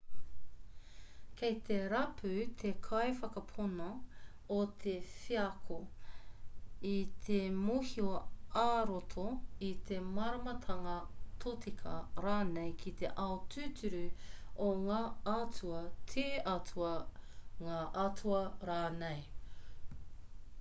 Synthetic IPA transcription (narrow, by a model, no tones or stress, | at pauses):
kʰejt̪eɾɐpʰʉt̪ʰekʰɐjfɐkɐpʰonɐ | ot̪ʰefiɐkʰo | it̪ʰemuhioaːɾot̪ʰoit̪ʰemɐɾɐmɐt̪ʰɐŋɐt̪ʰotʰikʰɐ̰ɾaːnejkʰit̪ḛʔɐotʰʉːtʰʉɾʉoŋaːɐtuɐtʰiːʔɐtʰuɐŋaːʔɐtʰuɐɾaːnej